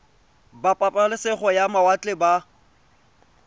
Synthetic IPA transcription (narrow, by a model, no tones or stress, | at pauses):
bapʼapʼalɪsɪχɔjamawat͡ɬʼɪba